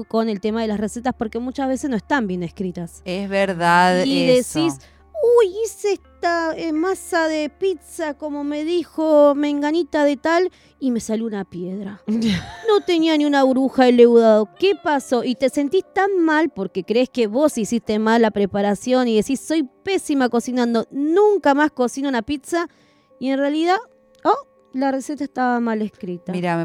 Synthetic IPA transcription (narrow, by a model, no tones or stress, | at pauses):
ko̞ne̞lt̪e̞mað̞e̞lasreset̪aspo̞ɾkemut͡ʃazβe̞sesnoe̞st̪ambje̞neskɾit̪asezβeɾðaðiðesis | ujiseehst̪aemasaðepit̪sako̞mo̞me̞ðixo̞me̞ŋɡanit̪aðet̪al | ime̞saluunapjeðɾaano̞t̪e̞nianiunaβuɾuxaele̞wðaðo̞kepaso̞ʔit̪e̞se̞nt̪ist̪anmalpo̞ɾke̞kɾeeskeβo̞sisist̪e̞mallːapɾe̞paɾasjo̞niðe̞sisːo̞jpe̞simako̞sinãnd̪o̞nũŋkamasko̞sinounapit̪sa | ie̞nrealiða | o | lare̞se̞t̪aest̪aβamale̞skɾit̪aiɾa